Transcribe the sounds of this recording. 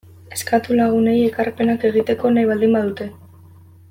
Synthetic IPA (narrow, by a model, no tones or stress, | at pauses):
e̞skat̪ulaɣ̞une̞je̞karpe̞nake̞ɣ̞it̪e̞ko̞najβald̪imbaðut̪e̞